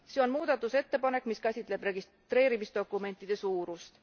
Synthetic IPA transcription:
se̞o̞nmuːd̪̥ɑt̪ːˑuse̞t̪ːe̞pɑne̞kːˑmiskæsʲit̪ˑle̞b̥re̞ɡis | t̪ɾe̞ːɾimisd̪o̞kˑːume̞nt̪ːˑid̪̥e̞suːɾust̪

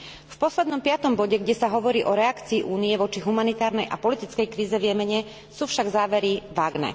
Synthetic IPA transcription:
fpɔslɛd̪nɔmpɪat̪ɔmbɔɟɛɡɟɛsaɦɔʋɔɾiːʔɔɾɛakt͡siːʔuːnijɛʋɔt͡ʃiɦumanit̪aːɾnɛjʔa̰pɔlit̪it͡skɛjkɾiːzɛʋjɛmɛɲɛ | suːfʃaɡzaːʋɛɾiʋaːɡnɛ̰ː

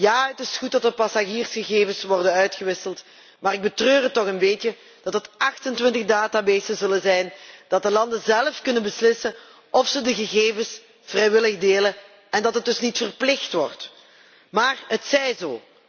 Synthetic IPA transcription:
jaːətɪsxut̚dɑt̚dəpasaʒiːrsxəɣeːvəsʋɔrdənœɥtxəʋɪsəlˠt | maːɾɪɡ̚bətrøːrətːɔxənbeːtə | d̥ɑtɦətɑxtəntʋɪntəɣdaːtabeːsəzɵləzɛjnd̥ɑt̚dəlɑndəzɛlˠəfkɵnənbəslɪsə | ɔfsədəɣəɣeːvəs | v̥rɛjʋɪləɣdeːlə | ɛndɑtɦət̚dɵsnitfərplɪxtʋɔrt | maːrɦətsɛjzo̰ː

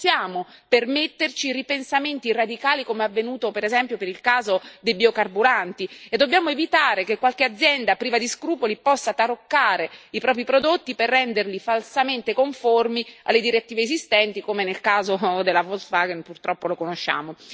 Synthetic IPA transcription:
sjaːmopermet̪ːert͡ʃiripensament̪irad̪ikaːlikomeavːenuːt̪opeɾezɛmpjopeɾilkaːzod̪ejbiokarbuɾant̪ied̪ːobjaːmoevit̪aːɾekekːwalkead̪zːjɛnd̪apɾiːvad̪iskɾuːpolipɔsːat̪aɾokːaːɾeipɾɔːp̬ɾipɾod̪ot̪ːiperːɛnd̪erlifalsament̪ekoɱformia̰lːed̪iɾet̪ːiːveːzist̪ɛnt̪ikomenelkaːzod̪elːavolsvaɡenpurt̪ɾɔpːolokonoʃːa̰ːmo

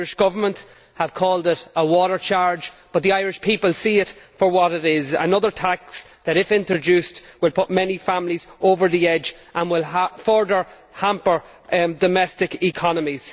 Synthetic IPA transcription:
ɹɪʃɡ̥ʌvə˞mə̃nt | həv̥kʰɔːlˠdɪɾəwɔɾə˞t͡ʃʰaɹd͡ʒb̥ʌt̪̚ðiaɪɹɪʃpʰipəlˠsiːɪtfə˞wɒɾɪɾɪzə̰nʌðə˞tʰaksðəɾɪfɪ̃ntɹ̥ɨd͡ʒʉstwɪlˠpʰʊt̚mɛnifãmlizʔoʊvə˞ðiɛd͡ʒ | ʔə̃nwɪlˠəfɔɹdə˞ | hãmpə˞ | dəmɛstɪkɪkʰɑnəmiz̥

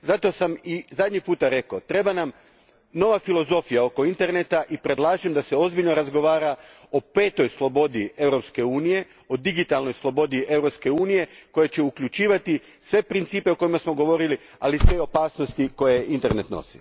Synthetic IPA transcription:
zat̪o̞samizad̪ɲipuːt̪aɾe̞kot̪ɾe̞banam | no̞ʋafilo̞zo̞fijao̞ko̞int̪e̞ɾnet̪aʔipɾe̞d̪laːʒimd̪ase̞o̞zbilʎnoɾazɡo̞ʋaːɾa | o̞pe̞ːt̪o̞jslˠo̞bo̞d̪ie̞ʋɾo̞pske̞uːnije̞ | od̪iɡit̪alno̞jslˠo̞bo̞d̪iʔe̞vɾo̞pske̞uːnije̞ko̞jet͡ɕe̞ukʎʲut͡ʃiːʋat̪i | sʋe̞pɾint̪siːpe̞oko̞jimasmo̞ɡo̞ʋo̞ɾili | alisʋe̞o̞paːsnost̪iko̞jeint̪e̞ɾne̞t̪no̰sḭ

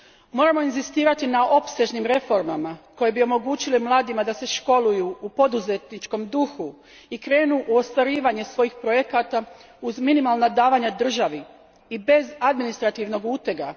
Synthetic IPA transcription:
mo̞ːɾamo̞inzist̪iːɾat̪inao̞pse̞ʒnimɾe̞fo̞ɾmamako̞jebio̞mo̞ɡuːt͡ɕilimlˠaːd̪imad̪ase̞ʃko̞lujuupo̞d̪uze̞t̪nit͡ʃko̞md̪uxu | ikɾe̞ːnuʔuo̞st̪ʋaɾiːʋaɲe̞sʋo̞jixpɾo̞je̞kat̪a | uzminimalnad̪aːʋaɲad̪r̩ʒaʋi | ibe̞zad̪minist̪ɾat̪iʋno̞ɡuːt̪eɡa

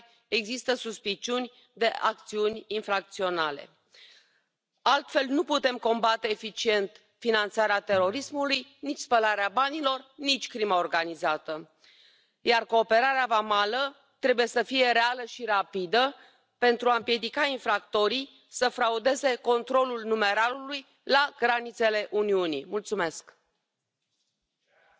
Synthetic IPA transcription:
e̞ɡzist̪əsuspit͡ʃiunʲ | d̪e̞ʔak̚t̪siunʲinfɾak̚t̪sio̞nalḛ | alt̪fe̞lnuput̪e̞mko̞mbat̪e̞ːfit͡ʃie̞nt̪ | finant̪saɾeat̪e̞ɾo̞ɾismulujnit͡ʃʲspəlaɾeabanilo̞rnit͡ʃʲkɾimaorɡanizat̪ə | jarko̞ːpe̞ɾaɾeavamalə | t̪ɾe̞buje̞səfije̞ɾealəʃiɾapid̪ə | pe̞nt̪ɾuaɨmpje̞d̪ikainfɾakt̪o̞ɾij | səfɾaud̪e̞ze̞ko̞nt̪ɾo̞lulnume̞ɾaluluj | laɡɾanit̪se̞le̞ʔuniunḭmult̪sume̞sk

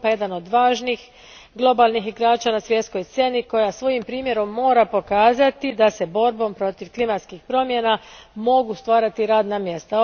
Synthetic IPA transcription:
pajed̪ano̞d̪ʋaːʒnix | ɡlˠo̞balnixiɡɾaːt͡ʃanasʋje̞t̪sko̞jst̪sje̞niko̞jasʋo̞jimpɾiːmje̞ɾo̞mːo̞ːɾapo̞kaːzat̪id̪ase̞bo̞ɾbo̞mpɾo̞t̪iʋklimat̪skixpɾo̞mje̞namo̞ɡust̪ʋaːɾat̪iɾaːd̪namje̞st̪a

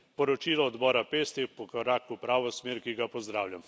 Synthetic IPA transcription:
pɔɾɔt͡ʃiːlɔːd̪bɔːɾapeːst̪epɔkɔɾaːkupɾaːʋɔsmeːɾkiɡapɔzd̪ɾaːwlʲam

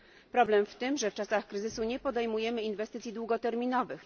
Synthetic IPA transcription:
pɾɔblɛmft̪ɘmʐɛft͡ʂasaxkɾɘzɘsuɲɛpɔd̪ɛjmujɛmɘinvɛst̪ɘt̪sʲjid̪wuɡɔt̪ɛɾmʲinɔvɘx

